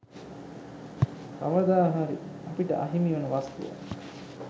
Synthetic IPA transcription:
ka̰ʋɐd̪aːɦaɾḭ | ɐpiʈə̰ʔa̰ɦimiʋɐnəʋast̪ṵʋa̰

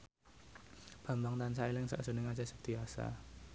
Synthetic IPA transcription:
b̥a̤mbaŋt̪ansailɪŋsa̰ʔsə̤nɪŋad͡ʒasə̥k̚t̪iasa̰

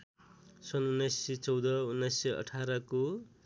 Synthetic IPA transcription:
sʌnunːajsʌt͡sʌwd̪ʌunːʌjsʌʌ̰ʈʰaɾʌko

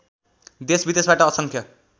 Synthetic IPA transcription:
d̪esbid̪esbaʈʌːsʌŋkʰjʌ

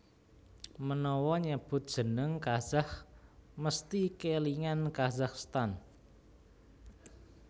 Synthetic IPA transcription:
mənɔwɔɲəb̥ʊ̤t̪̚d̥ʒ̥ə̤nəŋkazahməst̪ikeliŋankazaχst̪an

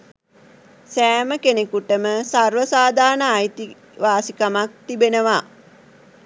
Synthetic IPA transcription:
sæːməkenekuʈəməsarʋəsaːd̪ʱaːnəajt̪i | ʋaːsikamak̚t̪ibenəʋa

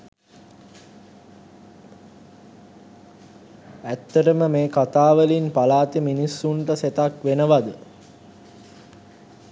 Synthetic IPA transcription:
æt̪ːəʈəməmeːkat̪aːʋəlinpalaːt̪iminisːuɳʈəset̪akʋenəʋad̪ə

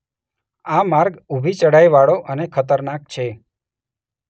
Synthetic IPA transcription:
amaɾɡubʱit͡ʃəɽajʋaɭoʔənekʰət̪əɾnak̚t͡ʃʰe

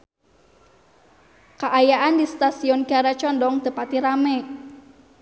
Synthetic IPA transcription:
kaʔajaʔandist̪asiɔnɡaɾat͡ʃɔndɔŋt̪əpat̪iɾamɛ

